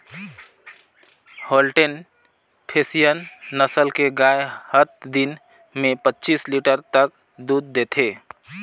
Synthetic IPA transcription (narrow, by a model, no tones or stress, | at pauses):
holʈen | pʰesijənːəsəlkeɡaehət̪̚d̪in | mepətːt͡ʃisliʈəɾt̪ək̚ | d̪ud̪ːet̪ʰe